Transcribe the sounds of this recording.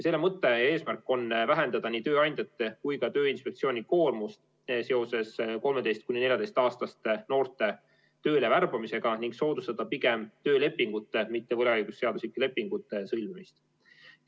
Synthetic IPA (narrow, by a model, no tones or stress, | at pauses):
se̞lːe̞mɤt̪ːˑe̞e̞ːsmærkːˑo̞nvæɦe̞nd̪ɑd̪̥ɑniːt̪ø̞ːɑjnʲd̪̥ʲjɑt̪ːe̞kujkɑt̪ø̞ːinspe̞k̚t̪sio̞ːnʲiko̞ːrmust̪ | se̞o̞se̞sko̞lme̞d̪e̞jst̪̚kunʲine̞lʲjɑd̪e̞jst̪ɑːst̪ɑst̪no̞ːrt̪ˑe̞ | t̪ø̞ːle̞værb̥ɑmise̞ɡ̥ɑniŋɡ̥so̞ːd̪ust̪ɑd̪ɑpiɡ̥e̞mt̪øːle̞pːiŋɡ̥ut̪ːe̞mit̪ːe̞vɤleɑjɡ̥usːe̞ɑd̪uslikːˑele̞pːˑiŋɡ̥ut̪ːˑe̞sɤlmemist̪